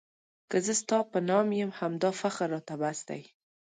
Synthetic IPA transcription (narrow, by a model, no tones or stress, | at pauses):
kəzəst̪ɑpənɑmjəmhamd̪ɑfaxaɾːɑt̪abasd̪a̰j